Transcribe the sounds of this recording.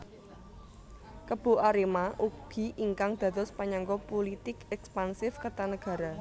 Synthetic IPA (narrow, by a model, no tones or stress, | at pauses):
kəb̥o̤ʔaɾemaʔuɡ̥i̤ʔiŋkaŋd̪̥ä̤t̪ɔspaɲaŋɡɔpolit̪ɪkɛkspansɪfkət̪anəɡ̥ä̤ɾa